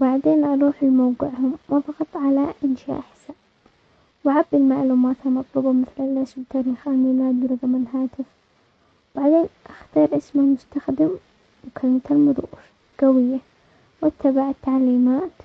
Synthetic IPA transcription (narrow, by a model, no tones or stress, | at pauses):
baʕd̪eːnʔɑɾˤuːħɪlmawqɪʕhʊmwafɑɣɑt̪ˤːʕalaʔɪnʃaa̰ʔaħsa | waʕabːɪlmaʔaluːmaːt̪amɑt̪ˤlɑbɑmɪθlalʔasbɪt̪aːɾiːxʔalmiːlaːd̪wɾˤɑɣamɪlɦaːt̪ɪf | b̥aʕd̪eːnʔaxt̪ɑːɾˤʔɪsmalmʊst̪axd̪ɪm | wɪkʰalmat̪almʊɾṵːɾ | ɡ̥awɪjːa | wʔat̪ːabaʕat̪ːaʕliːmaːt̪